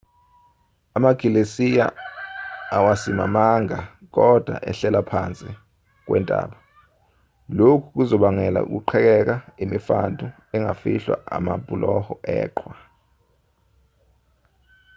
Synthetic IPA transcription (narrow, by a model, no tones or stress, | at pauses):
amaɡ̥ʱilesija̰ | awasima̰maŋa | k̬ɔd̥ʱwa̰ʔɛɬɛlapʰant͡sʼi | k̬wɛ̰ntʼa̰ːɓa | lokʰuk̬uzɔɓaŋɛla̰ṵk̬uǃʰɛk̬ɛk̬aimifandʱʼu | ɛŋʱafiɬwa̰a̰mapʼulʔɔhɔʔɛ̰ːǃʰwa